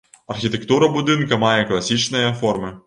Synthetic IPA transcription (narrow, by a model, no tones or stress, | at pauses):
ɐrxʲit̪ɛkt̪uɾɐbud̪ɨnkɐmɑjɛklˠɐsʲit͡ʃnɔjɐfɔrmɨ